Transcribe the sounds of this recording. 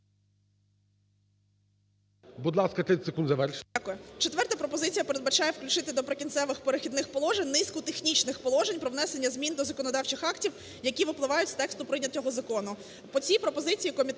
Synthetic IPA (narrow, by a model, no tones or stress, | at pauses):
bud̪lˠɑskɐt̪ɪsekund̪zɐʋɛrʃakʊjɛt͡ʃet̪ʋɛrt̪ɐpɾɔpɔzɪt͡sʲijɐpeɾed̪̚bɐt͡ʃɑjeɛwklʲʉt͡ʃɪt̪ɪd̪ɔpɾekʲint̪sɛʋɪxpeɾɪxʲid̪nɪxpɔlˠɔʒenʲnɪskʊt̪exnʲit͡ʃnɪxpɔlˠɔʒenʲpɾɔʋnɛsenʲːɐzʲmʲind̪ɔzɐkɔnɔd̪ɑwt͡ʃɪxɑktʲiw | jɐkʲiʋɪplˠɪʋɑjʊtʲst̪ɛkst̪ʊpɾɪnʲɐtʲːɔɦɔzɐkɔnʊ | pɔt͡sʲipɾɔpɔzɪt͡sʲijːkɔmʲit̪